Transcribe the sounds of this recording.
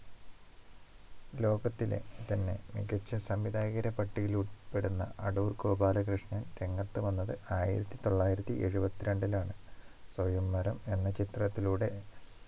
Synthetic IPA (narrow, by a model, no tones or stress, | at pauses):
lo̞ːɡɐt̪ːile̞̰t̪ɐnːe̞̰miɡɐt͡ɕːɐsɐmʋid̪aːɣɐɾɐpɐʈːiɣilupːe̞ɽunːɐ̰ʔɐɽuːrkoːbaːlɐkrɨʂɳɐnɾe̞ŋːɐt̪ːɨʋɐnːɐðɨaːjḭɾɐt̪ːit̪o̞ɭːaːjiɾɐt̪ːiʔe̞ɻubɐt̪ːiɾe̞ɳɖilaːɳɨswɐjumːɐɾɐme̞nːɐt͡ɕit̪rɐt̪ːiluːɽe̞